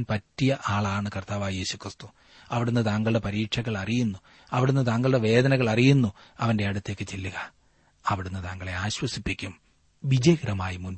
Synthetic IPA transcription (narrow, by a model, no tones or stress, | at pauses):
npɐtːijɐʔaːɭaːɳɨkɐrt̪aːʋaːje̞ːɕu̥krɨst̪u̥ | ɐʋiɽunːɨt̪aːŋɡɐɭɨɽe̞pɐɾiːʈʂɐɣːɐɭɐrijunːu | ɐʋiɽunːɨt̪aːŋɡɐɭɨɽe̞ʋe̞ːd̪ɐnɐɣɐɭɐrijunːuɐʋɐnde̞ɐɽut̪ːe̞ːkːɨt͡ɕe̞lːuɣɐ | ɐʋiɽunːɨt̪aːŋɡɐɭe̞aːɕwɐsipːikʲːum | ʋid͡ʑɐjɡɐɾɐmaːjimun